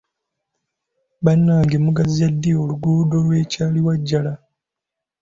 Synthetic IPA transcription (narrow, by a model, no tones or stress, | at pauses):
βanːaːŋɡemuɡazijadːioluɡuːdo̞lwe̞ːcaːliwaɟːala